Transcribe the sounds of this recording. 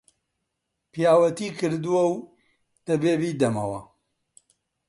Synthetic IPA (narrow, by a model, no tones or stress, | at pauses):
pijaːwɐt̪iːkʰɨɾd̪uwɐw | t̪ɐbeːbiːd̪ɐmɐwɐ